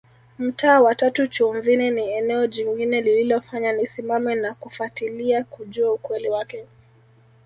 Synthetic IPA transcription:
m̩taːwatatut͡ʃuɱvinɛniɛnɛɔʄiŋɡinɛlililɔfaɲanisimamɛnakufatiliakuʄuaukwɛliwakɛ

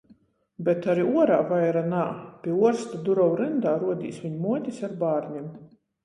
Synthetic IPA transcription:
bɛt̪aɾiuɔɾaːvajɾanaːpʲiɛuɔɾst̪ad̪uɾɔwɾɛnd̪aːɾuɔd̪ʲḭːsvʲiɲumuɔt̪ʲisaɾbaːɾɲim

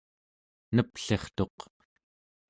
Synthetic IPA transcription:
nəpɬe̞χt̪o̞q

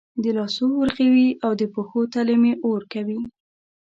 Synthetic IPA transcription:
d̪əlɑsowəɾxewiawd̪əpoxot̪aləmeʔoɾkawi

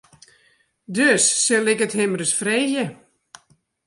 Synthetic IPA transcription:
døsːɛlɪkəthɪmrəsfreːjə

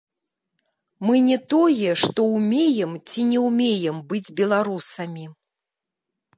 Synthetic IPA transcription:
mɨnʲɛt̪ɔjɛʂt̪ɔwmʲejɛmt͡sʲinʲɛwmʲejɛmbɨd͡zʲbʲɛlˠaɾusɐmʲi

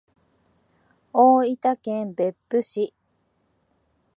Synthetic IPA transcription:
oːit̪akẽmbe̞pːɯɕi

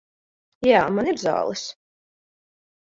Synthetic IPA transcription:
jaːmaniɾza̰ːlˠɨs

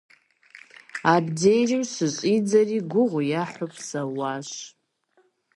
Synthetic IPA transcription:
abd͡zejrimsɨɕʼid͡zariɡʷʊʁʷʊjaħʷʊpʰʼsawaʃ

